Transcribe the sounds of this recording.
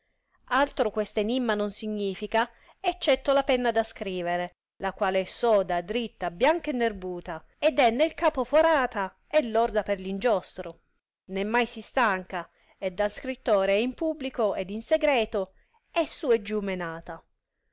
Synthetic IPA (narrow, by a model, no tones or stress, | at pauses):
alt̪ɾokwest̪enimːanonsiɲːiːfika | ɛt͡ʃːɛt̪ːolapɛnːad̪askɾiːveɾe | lakwaːleɛsːɔːd̪ad̪ɾit̪ːabjaŋkaenːerbuːt̪a | ed̪ɛnːelkaːpofoɾaːt̪a | ɛlːɔrd̪aperlind͡ʒɔst̪ɾo | nemːajsist̪aŋka | ed̪ːalskɾit̪ːoːɾeɛimpubːlikoed̪inseɡɾɛːt̪o | ɛsːuːed͡ʒumenaːt̪a